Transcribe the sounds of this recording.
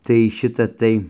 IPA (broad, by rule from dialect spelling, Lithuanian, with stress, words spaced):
tɐɪ ˈʃʲɪtɐ ˈtɐɪ